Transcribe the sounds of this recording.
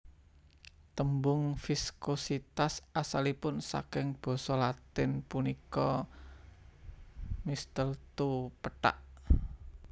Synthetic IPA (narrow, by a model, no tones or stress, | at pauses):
t̪əmbʊŋfiskosit̪asasalipʊnsa̰kɪŋb̥ɔ̤sɔlat̪ɪnpunikɔ | mist̪əlt̪upəʈa̰ʔ